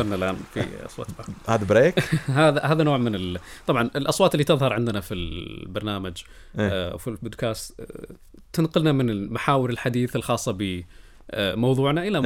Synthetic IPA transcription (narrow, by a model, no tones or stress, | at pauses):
ɑɾnalʔa̰ːnfḭʔɑ̰sˤwɑ̰ːt̪bɑɾhaːd̪abɾeːkɦaːðahaːðanoːʕmɪnɪlt̪ˤɑbʕɑnɪlʔɑsˤwɑːt̪ɪlːit̪ɪðˤhɑɾˤʕɪnd̪ɪnafilbɑɾˤnaːmad͡ʒ | wfibʊd̪kaːst̪ | t̪ːɪnqʊlnamɪnɪmaħaːwɪɾɪlħad̪iːθɪlxɑːsˤːɑbɪ | mɑwðˤuːʕnaʔɪla